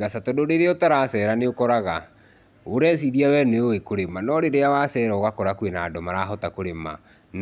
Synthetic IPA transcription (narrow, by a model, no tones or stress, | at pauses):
ɣasatɔdoɾeɾeɔtaɾasɛɾaneokɔɾaɣa | oɾɛs̬iɾiawɛneowekoɾemanɔɾeɾeawasɛɾaoɣakɔɾakuwenaːdɔmaɾaɦɔtakoɾema̰ | n